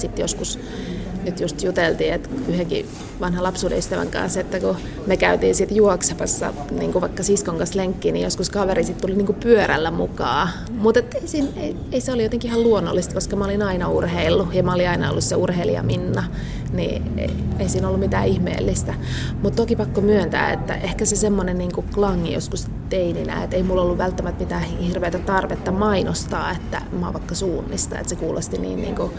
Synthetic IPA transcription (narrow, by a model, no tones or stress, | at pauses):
sit̪joskus | nyt̪just̪jut̪elt̪iːet̪yheŋkḭ | ʋɑnhɑlɑpsuːdḛyst̪æʋæ̰ŋkɑ̰nset̪ːæku | mekæyt̪iːnsit̪juoksɑpɑsːɑ̰ | nḭːŋkuʋɑikːɑsiskoŋkɑsleŋkːinijoskuskɑʋerisit̪t̪uliniːŋkupyøɾæ̰lːæmukɑː | mut̪et̪ːeisiːnei | eiseolijot̪eŋkiihɑluonːo̰lːist̪koskɑmæolinɑinɑṵrheilːujɑmæoliɑinɑo̰lːusseurhelḭɑ̰minːɑ | nḭḛieisiːnolːumit̪æ̰ːihmḛːlːist̪æ | mut̪t̪okipɑkːomyønt̪æ̰ːḛt̪ːæ̰ʔehkæsesemːonenniːŋkuklɑŋːḭjo̰skus | t̪eininæ̰ːet̪eimulːolːuʋʋælt̪ːæmæt̪mit̪æːhhirʋeːt̪æt̪ɑrʋet̪ːɑmɑinost̪ɑ̰ːet̪ːæ̰mɑ̰ːʋɑikːɑsuːnːist̪ɑ̰ḛt̪sekuːlʔost̪inḭːnnḭːŋku